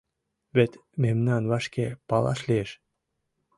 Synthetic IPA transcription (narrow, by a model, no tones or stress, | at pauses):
vet̪memnɑnvɑʃkepɑlˠɑ̰ʃleeʃ